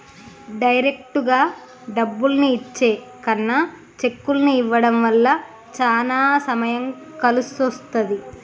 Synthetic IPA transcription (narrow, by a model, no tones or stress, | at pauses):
ɖɐjɾe̞k̚ʈuɡaː | ɖɐbːulɐniːt͡ʃːe̞ːkɐnːɐ | t͡ʃe̞kːulɐniiʋːɐɽɐmʋɐlːɐ | t͡ʃaːlaːsɐmɐjɐŋ | kɐlusost̪ɐd̪i